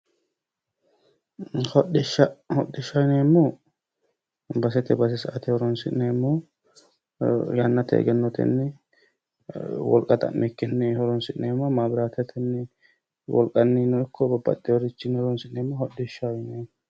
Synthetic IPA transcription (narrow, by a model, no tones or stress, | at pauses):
hɔɗɪʃahɔɗːɪʃajneːmːɔ | bɐsɛt̪ɛbɐs̬ɛsɐʔɐt̪ɛhɔɾɔnsɪʔneːmːɔ | janːɐt̪ɛ̰ɛ̰ɡɛnːɔt̪ɛ̰nːɪ | wɔ̰lkʼɐt̪ʼɐ̰mːʔɛkːɪnːɪhɔɾɔnsɪʔneːmːɔmaːbɪɾaːt̪ɛt̪ʰɛnːɪ | wɔ̰lkʼɐnːiːnɔɪkʰːɔbɐbːɐ̰t̪ːɛwɔɾɪt͡ʃːɪnːɔɾɔnsɪʔneːmːɔhɔɗːɪʃajneː